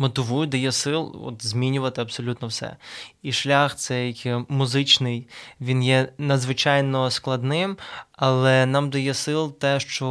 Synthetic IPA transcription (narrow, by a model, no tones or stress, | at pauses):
mɔt̪ɪʋujʊd̪ɐjɛsɪlˠɔ̰t̪zʲmʲinʲʊʋɐt̪ɪɐbsɔlʲut̪nɔwsɛ̰iʃlʲaxt̪sɛjkʲmʊzɪt͡ʃnɪjʋʲinjɛnɐd̪zʋɪt͡ʃɑjnɔsklˠɐd̪nɪmɐlˠɛnɑmd̪ɐjɛsɪlˠt̪ɛʃt͡ʃɔ